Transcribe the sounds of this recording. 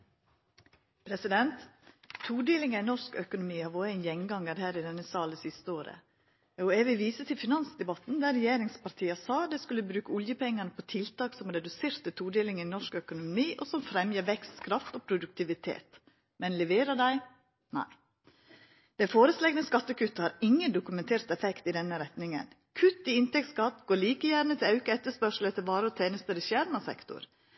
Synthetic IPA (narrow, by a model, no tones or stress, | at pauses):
pʰɾɛsɪd̪ɛnt̪ʰː | uːɖ̪eːlɪŋəɪnɔʂkœkʊnʊmiːhɑʋoːɾæɪnjɛŋɡɑŋːəɾhæːɾɪd̪ɛnːəsɑːləsɪst̪əoːɾə̰ | ɑʊeːʋɪʋiːsət̪ʰɪlfɪnɑnsd̪ɛbɑt̪n̩d̪æɾɛjeːɾɪŋspɑɾt̪ʰiːəsɑːd̪ɛskʉlːəbɾʉːkəɔljəpʰɛŋːənəpʰɔt̪ʰɪlt̪ɑːksɔmɾɛd̪ʉseːɾt̪ət̪ʰuːɖ̪eːlɪŋəɪnɔʂkœkʊnʊnʊmiːʔɔsɔmfɾɛmjəʋɛkst̪kʰɾɑft̪ɔpʰɾʊd̪ʉk̚t̪ɪʋɪt̪ʰḛːt̪ | mɛnlɛʋeːɾəd̪æɪ | næ̰ɪ | d̪̥ɛfoːɾəslɛɡnəskɑt̪ːəkʰʉt̪ːhɑɾɪŋːənd̪ʊkʉmɛnt̪ʰeːɾt̪ɛfɛkt̪ɪd̪ɛnːəɾɛt̪nɪŋə̰n | kʰʉt̪ːɪɪnt̪ɛk̚t̪skɑt̪ːɡoːɭiːkəjæɾnət̪ʰɪlɑʉkəɛt̪ːəʂpœʂl̩ət̪ʰɪlʋɑːɾəɔt̪ʰeːnəst̪əɾɪʃæːɾmɑsɛ̰kt̪ʊ̰ɾ